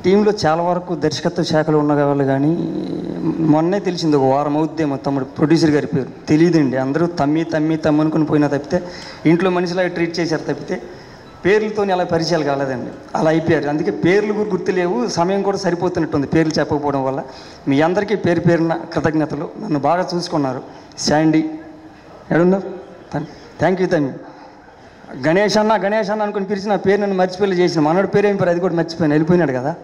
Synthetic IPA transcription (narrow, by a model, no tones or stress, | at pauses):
ʈiːmlo̞ːt͡ʃaːlaːʋɐɾɐkud̪ɐɾʃɐ̥kɐt̪ːɐʃaːkʰɐloːunːɐɡɐʋaːliɡaːnḭ | mɔnːeːt̪e̞lisind̪iɔkɐʋaːɾɐmɐwud̪ːeːmɐt̪ɐmːuɽupɾoɖjuːs̬ɐɾɡaːɾipeːɾulut̪e̞lijɐd̪ɐɳɖiɐnd̪ɐɾut̪ɐmːiːt̪ɐmːiːt̪ɐmːɐnukonipoːjinaːt̪ɐbi̥t̪e̞ː | iɳʈloːmɐniʃ̬ilaːɡɐʈɾiːʈ̚t͡ʃɛːsaːɾɐt̪ɐpːi̥t̪e̞ː | pe̞ːɾulɐt̪oːniɛɐlaːpɐɾit͡ʃɛjaːlɐɡaːleːd̪ɐɳɖḭ | ɐ̰laːjpɔjaːɾuɐnd̪uke̞ːpe̞ːɾluɡuɾɡuɾt̪ːule̞ːwusɐmɐjɐmŋkuːɽaːsɐɾipoːt̪unːɐʈːund̪ipe̞ːɾulut͡ʃɛpːɐkɐpɔːɐɽɐmʋɐlːɐ | miːɐnd̪ɐɾikipe̞ːɾupe̞ːɾunɐkɾɪt̪ɐɡnɐt̪ɐlo̰ːnɐnːubaːɡaːt͡ʃuːsu̥kunːaːɾu | saːɳɖi | ḛːɽunːɐ | t̪ʰaːŋkjut̪ɐmi | ɡɐnɛːʂanːaɡɐnɛːʂanːɐnukonip̬iɾit͡ʃinaːpe̞ːɾunɐnːumɐɾt͡ʃi̥poːjlɐt͡ʃeːsinmɐnoːɽupeːɾeːmipaːɾɐd̪ik̬uːɽamɐɾt͡ʃːi̥poːjinɐelip̬oːjinaːɽukɐd̪aː